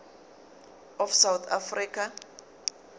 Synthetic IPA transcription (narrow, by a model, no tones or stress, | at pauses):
ɔfsawt̪ʰa̰friːkʰa